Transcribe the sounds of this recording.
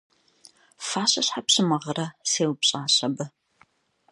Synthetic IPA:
faːɕɐɕħapɕɨmɐʁɐɾɐseːwpɕʼaːɕɐbɐ

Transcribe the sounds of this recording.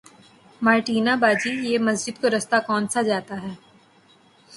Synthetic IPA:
maːɾʈiːnabaːd͡ʒijemɐsd͡ʒɪd̪̚koɾɐst̪akɔːnsad͡ʒaːt̪aɦɛː

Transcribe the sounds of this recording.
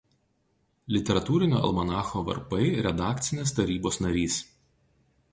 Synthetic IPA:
lʲɪt̪ʲɛɾɐt̪uːɾʲɪnʲo̰ːɐ̰lˠmɐnɑːxoːʋɐ̰ɾpɐɪɾʲɛd̪ɑːkt̪sʲɪnʲeːst̪ɐɾʲiːboːsnɐɾʲiːs

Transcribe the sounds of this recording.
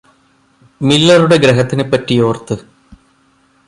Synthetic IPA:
milːɐruɽe̞ɡɾeɦɐt̪ːinɨpːɐtːijo̞ːrt̪ːɨ

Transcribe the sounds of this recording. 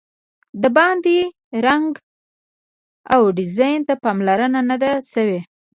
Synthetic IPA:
d̪əbɑnd̪i | ɾaŋɡ | awɖɪzɑjnt̪apɑmlaɾənanad̪aʃəwe

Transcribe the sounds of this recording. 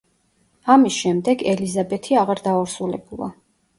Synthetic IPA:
amisʃɛmd̪ɛɡɛlizabɛt̪ʰiaʁaɾd̪auɾsulɛbulˠa̰

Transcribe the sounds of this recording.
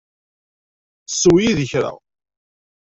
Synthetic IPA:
sːwjiðəçɾə̰ʁ

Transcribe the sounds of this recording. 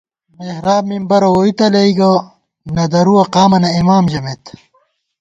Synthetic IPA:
mehɾaːbmimbɐɾɐoit̪ɐlɐiɡɐ | nɐd̪ɐɾuɐqaːmɐnɐimaːmʑɐmet̪

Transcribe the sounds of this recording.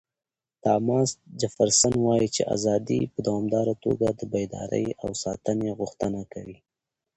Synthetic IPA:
t̪ɑmɑsd͡ʒafaɾsanwɑjit͡ʃḛʔa̰zɑd̪ḭpəd̪awɑmd̪ɑɾat̪o̰ɡad̪əbajd̪ɑ̰ɾə̰jawsɑt̪əneɣʊxt̪ənakawi

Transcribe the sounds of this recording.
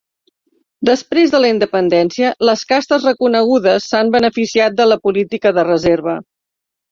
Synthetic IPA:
d̪əspɾezðələind̪əpənd̪ɛnsiələskast̪əzrəkunəɣ̞uðəsːambənəfisiat̪̚d̪ələpulit̪ikəðərəzeɾβə

